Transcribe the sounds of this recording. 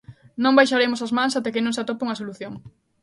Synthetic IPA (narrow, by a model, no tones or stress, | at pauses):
nõmbajʃaɾemʊsɐzmãŋsat̪ɛkɪnõŋsat̪opeuŋɐsoluθjoŋ